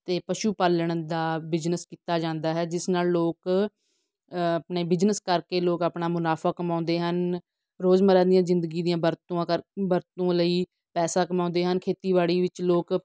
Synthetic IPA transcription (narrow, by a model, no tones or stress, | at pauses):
t̪eːpəʃuːpaləɳ̃d̪aːbɪd͡ʒnəskiːt̪aːd͡ʒãːnd̪aːɦɛːd͡ʒɪsnaːlloːk | əpɳeːbɪd͡ʒnəskəɾkeːloːkaːpɳaːmʊnaːpʰaːkəmãːʊ̃nd̪eːɦən | ɾoːzməɾãːd̪ijãːzɪnd̪əɡiːd̪ijãːbəɾt̪õːãːəbəɾt̪õːləiː | pɛːsaːkəmãːnd̪eːɦənkʰeːt̪iːbaːɽiːʋɪt͡ʃloːk